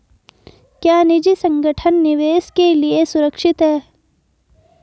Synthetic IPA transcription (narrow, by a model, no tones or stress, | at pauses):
kjaːnɪd͡ʒisə̃ŋɡʱəʈʰənːɪʋeːskeliesʊɾəkʃɪt̪ɦɛː